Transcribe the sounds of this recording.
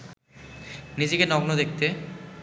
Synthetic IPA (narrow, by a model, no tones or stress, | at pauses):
nid͡ʑekenɔɡnod̪ek̚t̪e